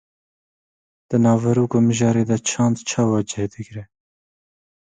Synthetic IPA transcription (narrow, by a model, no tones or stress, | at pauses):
d̪̥ənɑːvɐɾuːkoːmɪʒɑːɾeːd̪ɐt͡ʃʰɑːnd̪t͡ʃʰɑːwɑːd͡ʒɛd̪ɪɡɾɛ